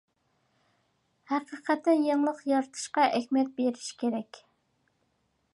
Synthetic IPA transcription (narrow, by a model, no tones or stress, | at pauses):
hæqəqɛt̪ːɨjeŋlˠəqjɑɾt̪ʰɨ̥ʃqɑʔɛxʲmɛt̪̚beɾɪʃkʲeɾɛkʲ